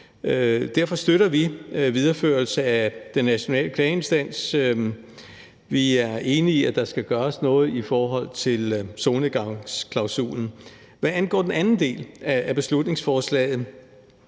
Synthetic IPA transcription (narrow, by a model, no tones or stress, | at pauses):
d̥æɐ̰fɒ̽sd̥øɾɐʋiʋið̞ˠɐføɐlsəæd̥enːæɕo̝nɛ̰ːləkʰlɛːe̝nsd̥æn̰s | ʋiæɐʔe̝ːniiæd̥ɑ̈sɡ̥æɡ̥ɶːɐsnɔ̽ːð̞̩ˠifɒːɦɒ̽l̰t͡sʰe̝lsoːnəɡ̥ɑskʰlɑ̈ʊsṵːln̩ | ʋæænɡ̥ɒ̰ːd̥enænn̩d̥e̝̰ːlæːb̥e̝slud̥ne̝ŋsfɒːslɛ̰ːɪð̩ˠ